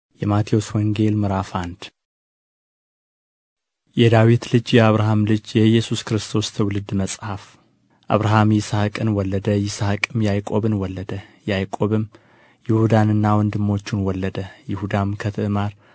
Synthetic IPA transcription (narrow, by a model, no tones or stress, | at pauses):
jɛmat̪ʰio̞swɔŋɡe̞lmɨɾafand̪̥ | jɛd̪awit̪lɨd͡ʒjɛaβɾaɦamlɨd͡ʒjɛjɛsuskɨɾɨst̪ʰo̞st̪ʰwʊlɨd̪məsʼhaf | ʔa̰βɾaɦamjɪsakʼɨnwɔlːəd̪əjɪsakʼɨmjajkʼo̞βɨnwɔlːəd̪əjajkʼo̞βɨm | jɪhud̪anɨnːawɔnd̪ɨmːo̞t͡ʃːunwɔlːəd̪əjɪhud̪amkʰət̪ʰɨɨmaɾ